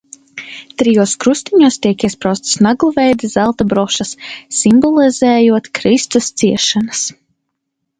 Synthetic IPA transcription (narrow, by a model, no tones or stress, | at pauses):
t̪ɾijuɔskɾust̪iɲuɔst̪ʲiɛkiɛspɾawst̪snaɡlˠuvɛjd̪azælˠt̪abɾɔʃasːimbɔlˠizɛːjuɔt̪kɾist̪ust̪siɛʃanas